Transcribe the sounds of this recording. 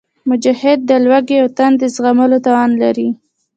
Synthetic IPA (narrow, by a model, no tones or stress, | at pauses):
mʊd͡ʒahɪd̪̚ːəlwaɡeawt̪and̪əzɣaməlot̪awɑnlaɾi